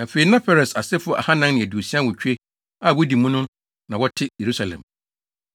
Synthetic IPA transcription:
na˨fe˨i˨nã˦pɛ˨ɾɛ˨sa˨sɛ˦fʊ˦ɔ˦˨ʔa̰˨ha˦nã˦nnɪ̃˨æ˨du˨o˨si˦ã˦wɔ˨t͡ɕᶣe˦ | a˨wɔ˦di˨mũ˦nʊ̃˦ | nã˨wɔ˦tʰɪ˦je˨ɾu˦sa˨lɛ̰̃˨m

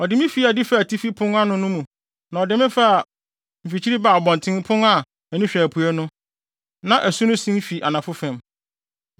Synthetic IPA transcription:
ɔ˨dɪ˨˦mɪ̃˦fi˦a˨dɪ˦fa˦˨tʰi˦fi˦pʰʊ̃˦na˦nʊ̃˦nʊ̃˦mũ˨ | nã˨ɔ˨dɪ˦mɪ̃˦fa˦˨ | m̩˨fi˨t͡ɕʰi˦ɾi˦ba˨bɔ̃˨n˨tʰɪ̃˦ŋpʰʊ̃˦na˨ | æ˨nĩ˦ɕᶣæ˨pʰu˨˦æ˦nʊ̃˦ | nã˨ʔæ˨su˦nʊ̃˦sĩ˦m̩˦fi˨ʔa˨nã˨fʊ˦fɛ̃˨m

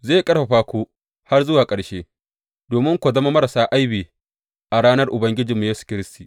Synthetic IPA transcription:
zeː˦˨kʼɐ˦ɽɸa˨ɸaː˦kʷoː˦ | ha˦rzʊ˦waː˨kʼɐ˨ɽʃeː˦ | doː˨mɪ˦ŋkʷo˨zɐ˦ma˦mɐ˦ɾa˨saː˦ʔa˦jbiː˨ | ʔa˨ɽaː˦nɐ˦rʔʊ˨bɐ˦ŋɡʲɪ˦d͡ʒɪ˨mːu˨jeː˦su̥˨kʲɪ˦ɾɪ˦stiː˨

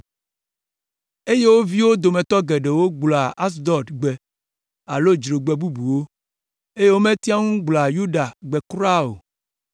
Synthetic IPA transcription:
e˦je˦wo˦vi˦wo˦d̪o˨mẽ˨t̪ɔ˦ɡɛ˨ɖe˨wo˦ɡ͡blɔ˨a˨a˦s̬d̪ɔ˨d̪ɡ͡be˨ | a˨lo˦d͡ʒɾo˨ɡ͡bɛ˨bu˦bu˨wo˦ | e˦je˦wo˦mẽ˦t̪i˦a˦ŋũ˦ɡ͡blɔ˨a˨ju˦ɖa˨ɡ͡bɛ˨kɾa˦o̰˨

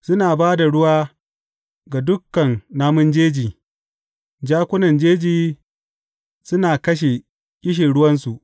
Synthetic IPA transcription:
sʊ˦naː˨baː˦da˨ɽʊ˦waː˦ | ɡa˨dʊ˦kːɐ˨nːaː˦mʊ˦nd͡ʒeː˦d͡ʒiː˨ | d͡ʒaː˦kʷʊ˦nɐ˨nd͡ʒeː˦d͡ʒiː˨ | sʊ˦naː˨kɐ˦ʃ̬e˨ | kʲʼɪ˦ʃ̬e˨ɽʊ˦wɐ˦nsu˨ʔ

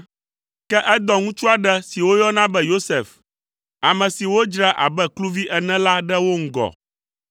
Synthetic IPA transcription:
kɛ˦ʔɛ˦d̪ɔ˨ŋũ˦t͡ʃu˦a˨ɖɛ˦si˨wo˦jɔ˦nã˦bɛ˦jo˦se˨f | a˨mɛ̃˨si˨wo˦d͡ʒɾa˦ʔa̰˨bɛ˦klu˦vi˦ʔɛ˨nɛ̃˦la˦ɖɛ˦wo˦ŋ̩˦ɡɔ̰˨

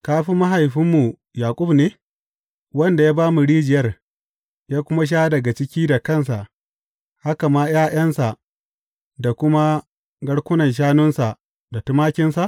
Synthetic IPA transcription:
kaː˦ɸi˦ma˦ɦa˨jɸɪ˦mːu˨ | jaː˨kʷʼʊ˦bneː˦ | wɐ˦nda˨jaː˦baː˦mu˨ɽiː˦d͡ʒɪ˨jɐ˦r | jaː˦kʷʊ˦ma˦ʃ̬aː˦dɐ˨ɡa˨t͡ʃɪ˦kʲiː˦da˨kɐ˦˨ns̬a˨ | ha˦ka˨maː˦j̰aː˦j̰ɐ˦nsa˨ʔ | da˨kʷʊ˦ma˦ | ɡɐ˦ɽkʷʊ˦nɐ˨nʃ̬aː˦nʊ˦nsa˨ | da˨tʊ˦maː˦kʲɪ˦nsa˨ʔ

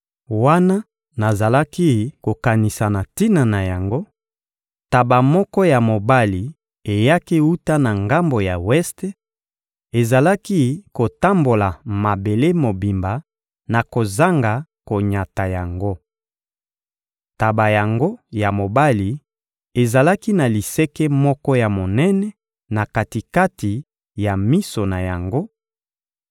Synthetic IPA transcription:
wa˦na˦ | na˨za˨la˦ki˦ko˨ka˨ni˨sa˨na˨ti˦na˨na˨ja˨ŋɡo˦ | ta˨ba˨mɔ˦kɔ˦ja˨mo˨ba˦li˨ | e˨ja˦ki˦u˦ta˦na˨ŋɡa˦mbo˨ja˨wɛ˦ste˦ | e˨za˨la˦ki˦ko˨ta˦mbo˨la˨ma˨be˨le˦mo˨bi˨mba˨ | na˨ko˨za˦ŋɡa˨ko˨ɲa˨ta˨ja˨ŋɡo˦ | ta˨ba˨ja˨ŋɡo˦ja˨mo˨ba˦li˨ | e˨za˨la˦ki˦na˨li˨sɛ˦kɛ˦mɔ˦kɔ˦ja˨mo˨nɛ˦nɛ˦ | na˨ka˨ti˨ka˦ti˨ | ja˨mi˦so˨na˨ja˨ŋɡo˦

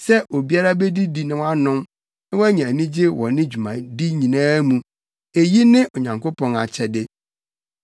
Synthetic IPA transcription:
sɛ˦ʔo˨bi˦a˦ɾa˦be˦di˦di˨nɪ̃˦wa˦nʊ̃˦m | nɪ̃˦wɔ˦æ˦ɲĩ˨æ˨nĩ˦d͡ʑɪ˦wɔ̰˨nɪ̃˦d͡ʑᶣu˨mã̰˨di˦ɲĩ˨nãː˦mũ˨ | e˨ji˦nɪ̃˦ʔo˨ɲã˨ŋko˦pʰɔ̃˦na̰˨t͡ɕʰɛ˨dɪ˦

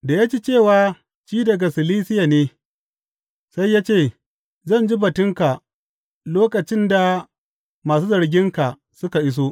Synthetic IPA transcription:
da˨ja˦t͡ʃi˦t͡ʃeː˦˨waː˦ | t͡ʃiː˦dɐ˨ɡa˨sɪ˨liː˦sɪ˦ja˨neː˦ | sa˦jːaː˦t͡ʃeː˦˨ | zɐ˦˨nd͡ʒi˦bɐ˨tʊ˦ŋka˨ | loː˦kɐ˨t͡ʃɪ˦nda˨ | maː˨s̬uː˦zɐ˨ɾɡʲɪ˦ŋka˨ | sʊ˦ka˨ʔɪ˦s̬oː˦

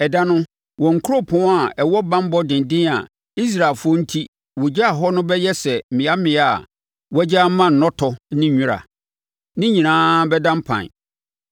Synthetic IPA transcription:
ɛ˨dã˦nʊ̃˦ | wɔ̃˨ŋ̩˨kʰu˦ɾo˦pʰɔ̃˨˦a˨ɛ˨wɔ˦bã˦m˦bɔ˦dɪ̃˨n˨dɪ̃˦na̰˨ | i˦s̬ɾa˨e˨lfʊ˦ɔ˦n̩˦tʰi˦ | wɔ˨d͡ʑa˦a˨ɦɔ˦nʊ̃˦bɛ˦jɛ˦sɛ˨mɪ̃˨a˦mɪ̃˨˦a˨ | wɛ˦d͡ʑa˦mã˦˨n̩˨nɔ̃˦tʰɔ˨˦nɪ̃˦˨ɲᶣũ˦ɾa̰˨ | nɪ̃˦ɲĩ˨nãː˦bɛ˦dã˦m̩˦pʰã̰˨n˨

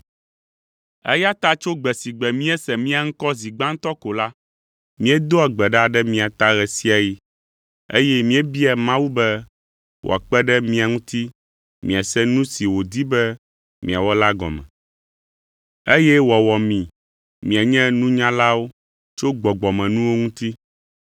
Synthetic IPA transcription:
ɛ̰˦ja˦t̪a˦t͡ʃo˦ɡ͡bɛ˨si˨ɡ͡bɛ˨mĩ˦ɛ˦sɛ˨mĩ˦a˨ŋ̩˦kɔ˦zi˨ɡ͡bã˦ŋ̩˦t̪ɔ˦ko˨la˦ | mĩ˦ɛ˦d̪o˦a˨ɡ͡bɛ˨ɖa˦˨ɖɛ˦mĩ˨a˨t̪a˦ɣɛ˨si˦a˨ji˦ | ḛ˦jɛ˦mĩ˦ɛ˦bi˦ɛ˨mã˦wu˦bɛ˦ | wʔo̰˨a˨k͡pɛ˦ɖɛ˦mĩ˦a˨ŋũ˦t̪i˦ | mĩ˨a˨sɛ˦nũ˦si˨wo˨d̪i˦bɛ˦ | mĩ˨a˨wɔ˦la˦ɡɔ̰˨mɛ̰̃˨ | e˦jɛ˦wɔ˨wɔ˨mĩ˨ | mĩ˨a˨ɲɛ̃˦nũ˦ɲã˦la˦wo˦ | t͡ʃo˦ɡ͡bɔ˨ɡ͡bɔ˨mɛ̃˨nũ˦wo˦ŋũ˦t̪i˦

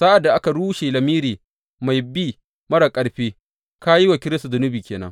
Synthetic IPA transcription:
sa˦ʔa˨dːa˨ʔa˦ka˨ɽuː˦ʃeː˨lɐ˨miː˦ɾiː˨ | ma˨jbi˦ | mɐ˦ɽa˨kʼɐ˨ɽɸeː˦ | ka˦ji˦wa˨kʲɪ˦ɾɪ˦su˨d͡ʒʊ˦nʊ˦biː˨kʲeː˨nɐ̰˦ŋ

